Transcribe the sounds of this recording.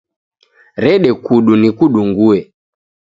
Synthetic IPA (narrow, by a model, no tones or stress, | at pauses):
ɾɛɗɛkuɗunikuɗuŋɡuɛ